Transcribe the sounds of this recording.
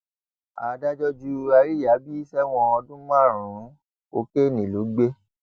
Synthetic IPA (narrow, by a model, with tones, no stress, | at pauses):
a̰˨da˦d͡ʒɔ˦d͡ʒu˦˧a˧˦ɾi˦ja˨˦bi˦i˦sɛ˦w̃ɔ̃˧ɔ˧dũ˦mã˦˨ɾ̃ũ˨˦ | ko˦ke˦˨nĩ˨lo˨˦ɡ͡be˦